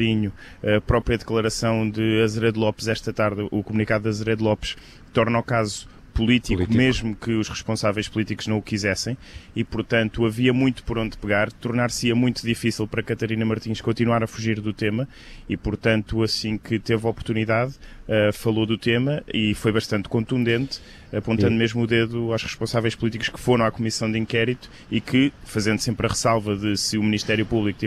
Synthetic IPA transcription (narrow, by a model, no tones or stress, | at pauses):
iɲu | ɐpɾɔpɾjɐðɨklˠɐɾɐsɐ̃w̃d̪ɨɐzɾɛðlˠɔpzɛʃt̪ɐt̪aɾðukumunikaðuðɐzɾɛðlˠɔpʃ | t̪ɔɾnɔkazu | pulˠit̪ilk̪meʒmukɨuʃʁɨʃpõsavɐjʃpulˠit̪ikuʒ̥nɐ̃w̃ukizɛsɐ̃j̃ipuɾt̪ɐ̃nt̪uɐviɐmũj̃t̪u̥pɔɾõnd̪pɨɣaɾt̪uɾnaɾsiɐmũj̃t̪uðifisilˠpɐɾɐkɐt̪ɐɾinɐmɐɾt̪ĩʃkõnt̪inwaɾɐfuʒiɾðut̪emɐ | ipuɾt̪ɐ̃nt̪uɐsĩkɨt̪evɔpuɾt̪uniðaðɛfɐlˠoðut̪emɐifojβɐʃt̪ɐ̃nt̪kõnt̪ũnd̪ẽnt̪ | ɐpõnt̪ɐ̃nd̪umeʒmuðeðuawʃʁɨʃpõsavɐjʃpulˠit̪iku̥ʃkɨ̥foɾɐ̃w̃akumisɐ̃w̃d̪ĩŋkɛɾit̪u̥ | ikʰɨfɐzẽnd̪usẽmpɾɐʁɨsalˠvɐðɨsɨuminiʃt̪ɛɾjupuβlˠikut̪i